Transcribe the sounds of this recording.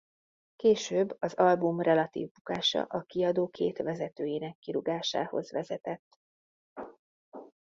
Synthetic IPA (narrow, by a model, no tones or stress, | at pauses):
keːʃøːbːɒzɒlbumrɛlɒt̪ḭːvbukaːʃɒ̰ʔɒkiɒd̪oːkʰeːt̪ʋɛzɛt̪øːjinɛkːiɾuɡaːʃa̰ːho̞̰zʋɛzɛt̪ɛt̪ː